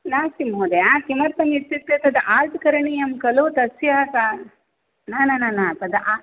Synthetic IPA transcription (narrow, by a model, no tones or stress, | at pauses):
naːsimɦoːd̪ejakimɐɾt̪ɐŋɡit̪ːit̪ːet̪ɐd̪ɐʔaːlʈkɐɾɐɳijɐmkɐlut̪ɐsjaːka | naːnananapɐd̪ɐʔa